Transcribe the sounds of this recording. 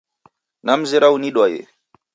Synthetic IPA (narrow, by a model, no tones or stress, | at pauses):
nam̩zeɾauniɗwajḛ